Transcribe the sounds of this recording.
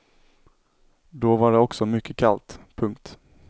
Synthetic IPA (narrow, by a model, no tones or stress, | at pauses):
d̪ovaɖɛɔksɔmʏkːəkʰalt̪pʰɵŋkt̪